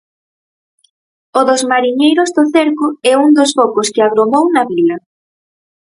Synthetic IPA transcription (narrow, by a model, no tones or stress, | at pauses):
ʊðʊzmaɾiɲejɾʊzðʊθeɾkʊɛuŋd̪osfɔkoskɪaɣɾomownɐβilɐ